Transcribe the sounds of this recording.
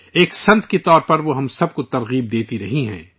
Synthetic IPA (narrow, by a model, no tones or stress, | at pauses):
eːksɐ̃nt̪ʰkit̪ɔːɾpɐɾʋoɦɐ̃msɐb̚kot̪ɐɾɣiːb̚d̪eːt̪iɾɐɦiɦɛ̰̃ː